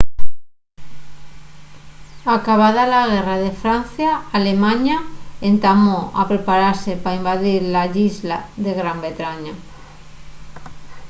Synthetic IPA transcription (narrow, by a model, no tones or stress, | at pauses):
akaβaðalaɣeraðe̞fɾan̟θjaːle̞mãɲaent̪amoa̰pɾe̞paɾaɾse̞paimbaðiɾlaʎizlaðe̞ɣɾambe̞t̪ɾaɲa